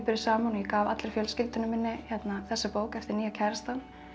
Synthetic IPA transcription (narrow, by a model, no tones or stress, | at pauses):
pɪɾɪsaːmanɔjɛkaːvat̪lɪɾ̥fjœlscɪlt̪ʏnʏmːɪnːɪçɛt̪naθɛsːapoːwkɛft̪ɪɾniːacʰɛɾst̪an